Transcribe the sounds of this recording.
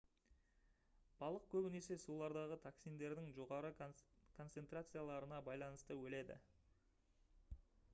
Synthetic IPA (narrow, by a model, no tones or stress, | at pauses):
b̥ɑlˠəq̚kʲʰɵbɪne̞se̞sulˠɑɾd̪ɑʁət̪ʰaksijnd̪e̞ɾd̪ɪŋʒo̞ʁɑɾəkʰo̞nt̪se̞nt̪rat̪sɨjalˠɑɾənɑbɑjlˠɑnəst̪əwɵle̞d̪ɪ̰